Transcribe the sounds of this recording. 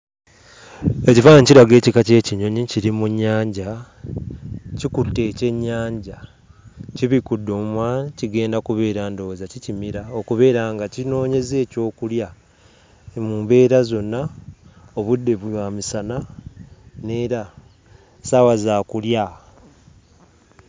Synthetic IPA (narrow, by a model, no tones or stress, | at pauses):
e̞civaːɲciɾaɡe̞ːcikace̞ːciɲo̞ɲiciɾimuɲːaːɲɟa | cikutːe̞ːce̞ɲːaːɲɟa | ciβikudːoːmwaciɡe̞ːndakuβe̞ːɾaːndo̞ːzacicimiɾaokuβe̞ːɾaːŋɡacino̞ːɲe̞ze̞ːco̞ːkulja | muːmbe̞ːɾazo̞nːa | o̞βudːe̞βuβwaːmisana | ne̞ːɾa | sawazaːkulja